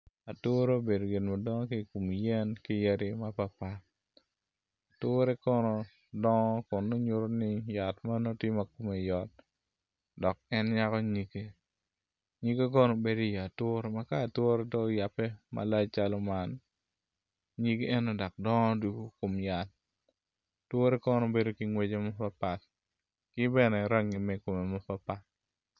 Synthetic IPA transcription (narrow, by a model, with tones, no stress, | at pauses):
a˨to˦ɾo˦be˨do˨ɡɪ˨nma˨dɔ˦ŋɔ˦ki˦˨ku˨m˨jɛ˦nkɪ˦je˦ɾɪ˦ma˦pa˨pa˨t | a˨tʊ˦ɾɛ˦kɔ˦nɔ˦ | dɔ˦ŋɔ˦kʊ˨nːo˦ɲʊ˦ɾo˦nɪ˦ja˨tma˦no˦tɪ˦mɐ˨ku˦me˨jɔ˨t̚ | dɔ˨k̚ɛ˦nɲa˦kɔ˦ɲi˨ke˦ | ɲi˦ɡa˦k̬ɔ˦no˨be˦do˦˨ja˨two˦ɾma˦kaː˦˨two˦ɾe˦dɔ˦˨ja˨pːɛ˦ma̰˨la˦t͡ʃalɔ˦ma˦n | ɲi˦ɡe˦e˦no˦dɔ˨k̚dɔ˦ŋɔ˦du˨ɡo˦ko˨mja˨t̚ | two˦ɾe˦kɔ˦no˦be˦do˦ki˨ŋwe˦d͡ʒe˦mɔ˦pa˦pa˨t | kɪ˦bɛ˦nɛ˨ɾa˦ŋɪ˨meko˨me˨mɔ˦pa˦pa˦t̚